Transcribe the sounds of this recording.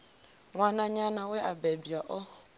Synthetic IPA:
ŋanaɲanawɛʔabɛbiɔʔɔ

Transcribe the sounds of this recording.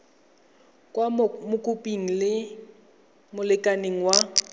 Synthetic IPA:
kʼwamʊkʼupʼiŋ̩lɪ | mʊlɪkʼaneŋ̩wa

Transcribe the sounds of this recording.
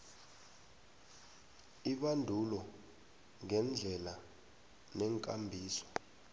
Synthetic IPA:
iɓandʱulɔ | ŋɛnd͡ɮʱɛla | nɛŋkʼambʱiːsɔ̥

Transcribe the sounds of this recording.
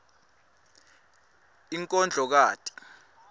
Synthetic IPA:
iŋkʼɔnd͡ɮʱɔk̬aːtʼi̥

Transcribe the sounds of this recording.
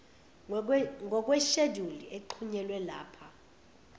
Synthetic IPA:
ŋɔk̬ʼwɛʃedʱuliʔeǃʰuɲɛlwɛla̰ːpʰa

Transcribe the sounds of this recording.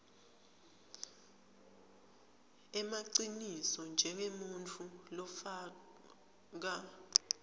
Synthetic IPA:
ɛmaǀinisɔnd͡ʒʱɛŋemunt͡fʰulɔfaː | k̬a

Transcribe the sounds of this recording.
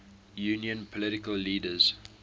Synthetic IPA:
juːnjə̃npʰɔlɪɾɪkəlːiːdəz̥

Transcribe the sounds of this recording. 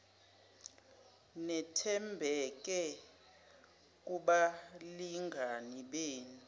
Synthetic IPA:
nɛtʰɛmbʱɛk̬ʼɛ | k̬ʼuɓaliŋɡʱaniɓeːnu

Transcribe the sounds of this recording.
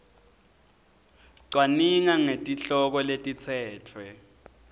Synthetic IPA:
ǀwaniŋaŋetʼiɬɔk̬ɔletʼit͡sʰɛːtʰwɛ

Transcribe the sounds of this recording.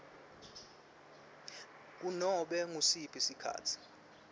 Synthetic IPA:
k̬unɔɓɛŋusipʰisikʰa̰ːtʰi̥

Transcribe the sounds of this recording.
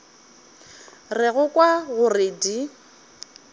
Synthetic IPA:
rɪɣʊkʼwaɣʊrɪdi

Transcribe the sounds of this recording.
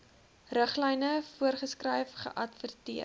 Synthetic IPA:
rəχlɛjnəfuərχəskrɛjfχə̰ʔɐtfərtiə

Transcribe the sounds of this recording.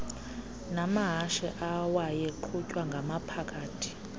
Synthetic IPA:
namaɦaʃɛʔawajɛǃʰucʼwaŋɡʱamapʰakʼaːtʰi̥

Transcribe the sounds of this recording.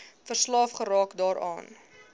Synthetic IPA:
fərslɑːfχəɾɑːkdɑːɾɑ̰ːn

